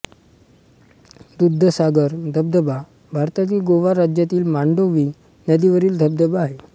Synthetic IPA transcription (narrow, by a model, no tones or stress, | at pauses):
d̪ud̪ʱːəsaɡəɾd̪ʱəbd̪əba | bʱaɾt̪at͡ɕiːɡoʋaɾad͡ʑjat̪iːlmaɳɖoʋiː | nəd̪iʋəɾiːld̪ʱəb̚d̪əbaːɦe